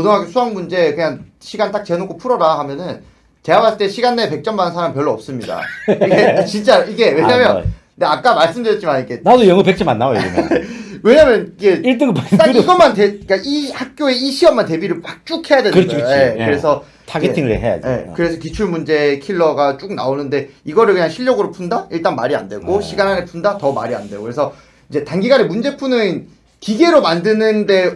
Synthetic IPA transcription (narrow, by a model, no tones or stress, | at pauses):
odoŋɦaɡesʰuaŋmund͡ʑe̞kɯɲaŋɕʰiɡant͈ak̚t͡ɕ͈e̞nokʰopʰuɾʌɾaɦhamjʌnɯn | te̞abas͈ɯt͈eɕʰiɡanːepe̞k̚t͡ɕ͈ʌmanɯnsʰaɾampjʌɭːoʌp̚s͈ɯmɲida̰iɡet͡ɕint͡ɕ͈aiɡe̞we̞ɲamjʌn | deak͈̚amaɭs͈ɯmdɯɾjʌt͡ɕ͈imaniɡe̞nadojʌŋɯpek̚t͡ɕʰimanːaojo̰imwe̞ɲamjʌniɡe̞iɭt͈ɯɡmat͈aiɡʌmantek͈aʔihak̚k͈joe̞iɕʰiʌmːante̞biɾɯɭmak̚t͡ɕ͈ukʰe̞jadwe̞ɾt͡ɕsʰoje̞kɯɾe̞sʰʌ | taɡeiŋɯɭḛɦeja̰d͡ʑejekɯɾe̞sʰʌkit͡ɕʰuɭmund͡ʑe̞kʰiɭːʌɡat͡ɕ͈uk̚na̰onɯnde̞iɡʌɾɯɭkɯɲaŋɕʰiʎːʌɡɯɾopʰundaiɭt͈anmaɾia̰ndwe̞ɡoɕʰiɡanɦaɡepʰundatʌma̰ɾia̰ndwe̞ɡokɯɾe̞sʰʌ | id͡ʑe̞tanɡiɡanemund͡ʑe̞pʰunɯnn | kiɡe̞ɾomandɯnɯnde̞